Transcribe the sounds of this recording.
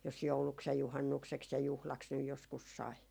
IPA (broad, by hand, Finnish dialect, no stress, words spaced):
jos jouluks jɑ juhɑnːukseks jɑ juhlɑks nyj joskus sɑi